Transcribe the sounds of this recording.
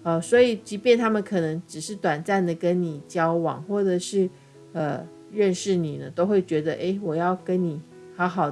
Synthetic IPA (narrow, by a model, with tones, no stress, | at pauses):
ə˧˩swɔ˧˥i˨˩t͡ɕi˧˥pjɛ˥˧nt̪ʰa˥mə˨nkʰɤ˨˩nɤ˧˥ŋʈ͡ʂɻ̩˨˩ʂɻ̩˥˩t̪wa˨˩nt͡sa˥˩nd̪ə˩kə˦˥nni˨˩t͡ɕjɑ˥ʊwɑ̰˨˩˦ŋxwɔ˥˩ʈ͡ʂə˨˩ʂɻ̩˥˩ | ə˧ | ɻə˥˧nʂɻ̩˥˩ni˨˩nə˦t̪o˥ʊxwe˥˩ɪt͡ɕɥɛ˧˥d̪ə˧ʔe˥ɪwɔ˨˩jɑ˥˩ʊkə˦˥nni˨˩ | hɑ˧˥ʊxɑ˨˩ʊ